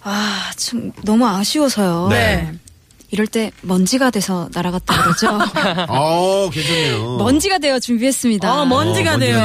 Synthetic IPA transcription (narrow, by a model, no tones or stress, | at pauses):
at͡ɕomnʌmuaɕʰiwʌsʰʌjone | iɾʌɭt͈e̞mʌnd͡ʑiɡadwe̞sʰʌnaɾaɡat̚t͈aɡoɡʌd͡ʑo | keomʌnd͡ʑiɡadwe̞jot͡ɕumbiɦe̞s͈ɯmɲidamʌnd͡ʑiɡadwejo